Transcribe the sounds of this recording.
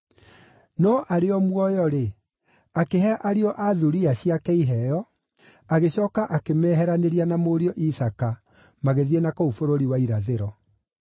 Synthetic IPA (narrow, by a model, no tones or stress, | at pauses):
nɔʔaɾeɔmwɔjɔɾe | akeɦɛaʔaɾiɔʔaðuɾiaɕiakɛiɦɛjɔ | aɣeɕɔːkaʔakemɛːɦɛɾaneɾianamoɾiɔʔisaka | maɣeðiɛnakoufoɾoɾiwaiɾaðeɾɔ